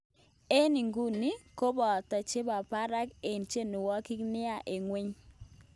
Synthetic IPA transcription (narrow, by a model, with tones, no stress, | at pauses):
e˦ni˨ŋɡu˦ni˦ko˦bɔ˨ta˨t͡ʃe˦ba˨pa˦ɾa˦ke˨nt͡ʃe˦nu˨wɔ˦ki˦knɪ˦a˦˨ʔe˨ŋwe˦ɲ